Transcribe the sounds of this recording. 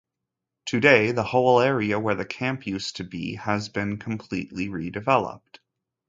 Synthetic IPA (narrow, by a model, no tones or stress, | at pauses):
tʰɨdeɪðəhoʊlˠɛɹiɨwə˞ðɨkʰæ̃mpʰjʉstʰɨbḭəzbɨ̃nkʰm̩pʰl̥ḭʔˡliɹidɨvɛlˠə̰p̚t